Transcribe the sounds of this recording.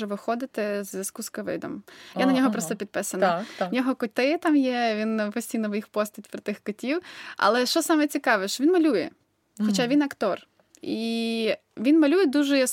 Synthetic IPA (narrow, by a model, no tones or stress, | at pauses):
ɛʋɪxɔd̪ɪt̪ɪzʋʲɐskuskɐʋɪ̰d̪ɔ̰mjjanɐnʲɔɦɔpɾɔst̪ɔpʲid̪̚pɛsɐnɐnʲɔɦɔkʊt̪ɪt̪ɑmjɛʋʲinpɔsʲtʲijnɔʋjixpɔst̪ɐtʲpɾɔt̪ɪxkɔtʲiwɐ̰lˠɛʃt͡ʃɔsɑmɛt͡sʲikɑʋɛʃt͡ʃɔʋʲinmɐlʲujɛ | xɔt͡ʃaʋʲinɐkt̪ɔr | i | ʋʲinmɐlʲujɛd̪uʒɛjɔs